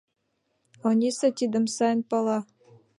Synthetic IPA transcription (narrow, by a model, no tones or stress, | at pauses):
onʲiset̪id̪ə̆msɑjənpɑlɑ